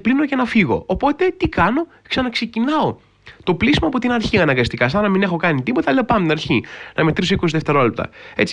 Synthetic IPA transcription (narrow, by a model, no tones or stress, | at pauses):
plinocenɐfiɣo̞̰ːpo̞t̪e̞t̪ikɐno̞ | ksɐnɐkse̞cinɐo | t̪o̞plisimɐpot̪inɐɾçiɐnɐŋɡɐst̪ikɐsɐnɐmine̞xo̞kɐnit̪ipo̞t̪ɐle̞opɐnt̪inɐɾçinɐme̞t̪ɾisoikosiðeft̪e̞ɾo̞lep̚t̪ɐ̰e̞̰t͡si